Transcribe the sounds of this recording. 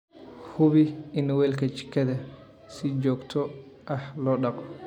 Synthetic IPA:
hʊβɪɪnwɛːlkʰɐt͡ʃɪ̥kʰːɐðɐ | sɪt͡ʃɔːɡt̪ʰɔ | ʔɐhlɔːɖɑqɔ

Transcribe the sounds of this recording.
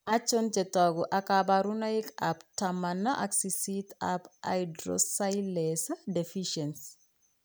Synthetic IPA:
at͡ʃːɔnt͡ʃetaɡuʔakabaɾunaikaptamanːaʔaksisitapa̰jdɾo̰sajlesadefiʃens

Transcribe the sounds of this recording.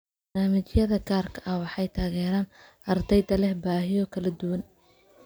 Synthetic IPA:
bbɐnaːmɪt͡ʃjɐðɐɡaːrkʰɐʔɐhwɑħɑjt̪ʰaːɣɛːɾaːnʔɐrd̪ɛjd̪ɐlɛhbaːɦɪjɔkʰɐlɐd̪ʊwɐn

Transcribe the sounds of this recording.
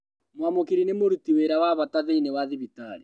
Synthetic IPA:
mwamokeɾinemoɾutiweɾawaβataðeinewaðiβitaɾi

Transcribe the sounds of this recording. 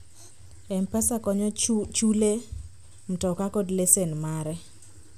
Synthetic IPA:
ɛmpɛsakɔɲɔt͡ʃule | m̩tɔkakodlesenmaɾɛ

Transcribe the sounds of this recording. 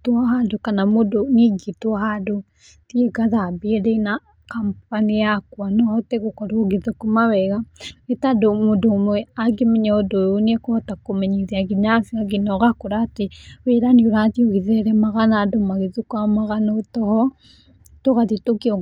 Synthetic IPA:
twɔhadokanamodoniɡitwɔhado | tieɡaðabeɛɾɛina | kampanijakwanɔhɔtɛɣokɔɾoɣiðokomawɛɣaɣetadomodomwɛaɡemɛɲaodoonɛkɔhɔtakomɛɲiðiaɣiɲafiaɡinɔɣakoɾateweɾanioɾatioɣiðɛɾɛmaɣanadomaɣiðukwamaɣanɔotɔhɔ | toɣaðitokiɔ

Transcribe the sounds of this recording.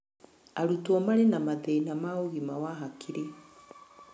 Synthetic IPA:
aɾutwɔmaɾenamaðɛinamaoɣimawaɦakʰiɾe

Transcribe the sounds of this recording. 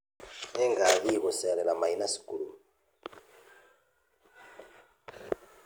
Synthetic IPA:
ɛŋɡaβiɣusɛlɛlamainasi̥kuɺu

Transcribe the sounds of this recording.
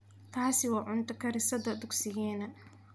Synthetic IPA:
k̪ʰaːsɪwɑːʕʊnt̪ʰɐkʰɐɾɪsɐd̪ɐd̪ʊɡsɪjɛːnɐ

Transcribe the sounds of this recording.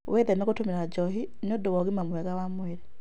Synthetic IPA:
wʔɛðɛmɛɣotomeɾad͡ʒɔɦi | niɔdowɔɣimamwɛɣawamwɛɾɛ

